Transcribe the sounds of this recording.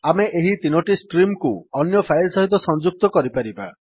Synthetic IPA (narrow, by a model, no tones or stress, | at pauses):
ameʔeɦit̪inɔʈisʈɾimkuɔnjɔpʰajlsɔɦit̪̬ɔsɔnd͡ʒuk̚t̪ɔkɔɾipaɾiba̰